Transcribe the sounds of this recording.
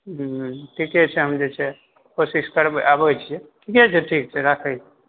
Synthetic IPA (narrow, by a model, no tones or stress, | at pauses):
ʈʰikɦɛt͡ʃʰɛɦəmd͡ʒɛt͡ʃʰɛ | kosiskəɾbeʔabət͡ʃʰijɛʈʰikɛt͡ʃʰɛʈʰik̚t͡ʃʰɛɾakʰɛt͡ʃʰɛ